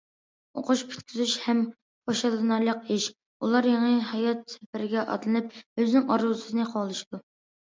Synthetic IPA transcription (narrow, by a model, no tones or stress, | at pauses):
o̰qʰʊʃpʰy̥t̪kʲʰizyʃhɛm | pʰoʃɑlˠɨnɑɾlˠəqiʃ | ulˠɑɾjeŋɨhɑjɑt̪̚sʰɛpɪɾɪɡʲɛʔɑ̰d̪lˠɨnɨp̚øznɪŋɑɾuzɨsɨzɨnɨqʰɑlˠɨʃid̪̥u